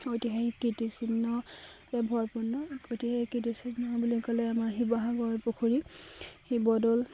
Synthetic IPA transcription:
ojtiɦajikitisinnɔ | ɛbʱɔɹpunːɔotihaikitisinɔbulikɔlɛamaɹxibɔɦaɡɔɹpukʰuɹihibɔdɔl

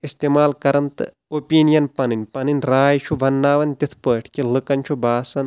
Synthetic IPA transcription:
ist̪eːmaːlkɐɾɐnt̪ɨ | opiːnijɐnpɐnɨnʲpɐnɨnʲɾaːjt͡ʃʰuʋɐnːaːʋɐnt̪it̪ʰpəːʈʰkilɨkɐnt͡ʃʰubaːsɐn

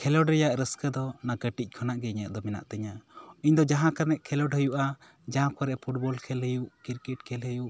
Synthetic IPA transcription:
kʰɛlɔɖɾɛjaʔɾəskəd̪ɔnaɡəʈic̚kʰanaʔɡɛɲaʔd̪ɔmɛna̰ʔt̪ɛɲaiɲd̪ɔd͡ʒaɦãkanɛʔkʰɛlɔɖɦəjuʔa | d͡ʒaɦãkɔɾɛʔpʰuʈ̚bɔlkʰɛlɦəjuʔkiɾkɛʈ̚kʰɛlɦəjuʔ

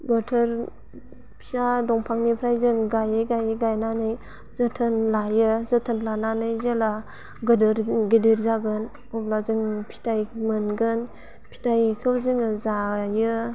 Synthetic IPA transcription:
batʰɯɾ | pʰi̥sadɔŋpʰaŋnipʰɾajzɯŋɡajɯɡajɯɡajnanɯj | zɯtʰɯnlajɯzɔtʰɯnlananɯjzala | ɡɯdɾɡediɾzaɡɯn | ɔblazɯŋpʰi̥tʰajmɯnɡɯn | pʰi̥tajkʰɯwzɯŋɯzajɯ

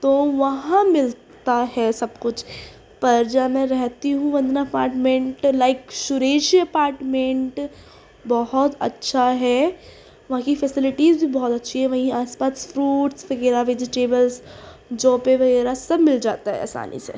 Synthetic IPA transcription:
t̪oːʋɐɦãmɪl | t̪aɦɛsɐbkʊt͡ʃʰ | pɐɾd͡ʒamɛ̃ɾɛɦt̪iɦũʋɐ̃nd̪naɐpaːɾʈmẽɳʈlaːɪkʃʊɾeːʃiɐpaːɾʈmẽɳʈ | bɔɦʊt̪ɐ̰tːʃʰaɦɛ | ʋɐɦãkifɛsɪlɪʈiːzbʱibɔɦɔt̪ɐtːʃʰiɦɛ̃ʋɐɦĩaːspaːsfɾuːʈsʋɐɣɛːɾaʋed͡ʒɪʈeːbəls | d͡ʒõːpeʋɐɣɛːɾasɐbmɪld͡ʒa̰ːt̪aɦɛ̰a̰ːsa̰ːnʔḭsḛ

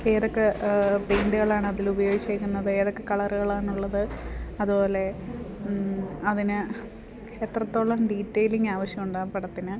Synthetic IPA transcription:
eːðokːepejnɖɨɣɐɭaːɳɨɐðilubɐjo̞ːɡit͡ɕːeːkʲːunːɐðɨe̞ːðo̞kːe̞kɐɭɐruɣɐɭaːɳuɭːɐðɨɐðubo̞ːle̞ | ɐðinɨ | et̪rɐt̪ːo̞ːɭːɐmɖiːtːejliŋɡaːʋɐɕjɐmuɳɖaːpɐɽɐt̪ːinɨ

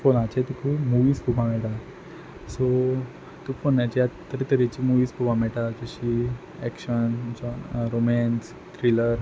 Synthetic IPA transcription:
fonat͡ɕet̪ikuimuʋiːskubʱamɛʈa | so | t̪ufonːjat͡ɕiat̪t̪ːəɾit̪əɾet͡ɕiːmuʋiːskubʱamɛɭʈad͡ʑəɕiː | ɛkɕənt͡ɕɔɾomɛns | t̪ɾiləɾ

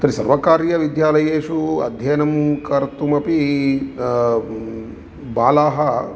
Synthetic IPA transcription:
t̪ɐɾisɐɾʋɐkaːɾjɐʋid̪jaːlɐjeːʃuɐ̰d̪ʱjɐjɐnɐmkɐɾt̪umɐpi | baːlaːɦɐ

